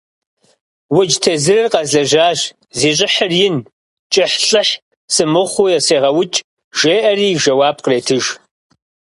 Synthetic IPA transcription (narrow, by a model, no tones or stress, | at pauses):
wʊd͡ʒtʰɐzɨrɨrqɐzɐʒaːʒ | ziːɕ̬ʼɪħərjɪn | t͡ʃʼɪħɬʼɨħ | sɨmɨχʷʊjɛseːʁɐwʊt͡ʃʼ | ʒ̥eːʔɐriːʒɐwaːb̚qəreːtʰɨʒ